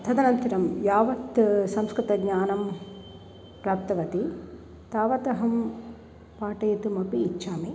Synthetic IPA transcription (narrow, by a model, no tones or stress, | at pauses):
t̪ʰɐd̪ɐnɐnt̪ɐɾɐmjaːʋɐt̪sɐmskɾɪt̪ɐɡɲaːnɐm | pɾaːp̚t̪ɐʋɐt̪i | t̪aːʋɐt̪ɐɦɐm | paːʈɐjɐt̪umɐpiːtːʃaːmi